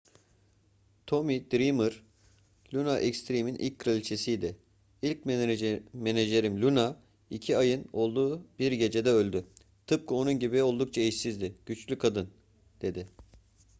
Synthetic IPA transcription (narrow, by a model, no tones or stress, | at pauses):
t̪ʰo̞mid̪̥ɾimɯɾ̥ | lʲunaʔɛkst̪ʰɾiminʔḭlʲc̚kʰɯɾelʲt͡ʃʰesijd̪ɛ | ilʲc | meneʒe̞ɾimlʲuna | icʰiajɯno̞lˠd̪uːb̥iɾɟe̞d͡ʒe̞d̪ɛølʲd̪y | t̪ʰɯp̚kʰɯo̞nunɟibio̞lˠd̪uk̚t͡ʃʰaiʃsizd̪ɪɟ̥yt͡ʃlʲykʰad̪ɯn | d̪̥e̞d̪ɪ